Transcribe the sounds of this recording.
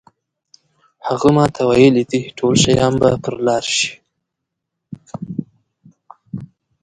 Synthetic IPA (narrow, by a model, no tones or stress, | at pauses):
haɣəmɑt̪ʰawajəlid̪iʈʰolʃajɑnbapəɾlɑɾʃi̥